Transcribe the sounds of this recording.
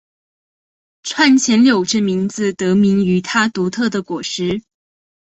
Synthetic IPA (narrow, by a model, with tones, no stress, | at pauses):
ʈ͡ʂʰwa˥˩nt͡ɕʰjɛ˧˥nljo˨˩ʊʈ͡ʂə˥˩mi˧˥ŋd͡zɹ̩˧t̪ɤ˧˥mi˧˥ŋy˧˥t̪ʰa˥t̪u˧˥t̪ʰɤ˥˩d̪ə˩kwɔ˨˩ʂɻ̩˧˥